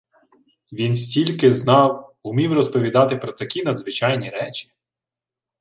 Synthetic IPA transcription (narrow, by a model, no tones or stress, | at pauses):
ʋʲinsʲtʲilʲkɪznɑwʊmʲiwrɔspɔʋʲid̪ɑt̪ɪpɾɔt̪ɐkʲinɐd̪zʋɪt͡ʃɑjnʲiɾɛt͡ʃʲi̥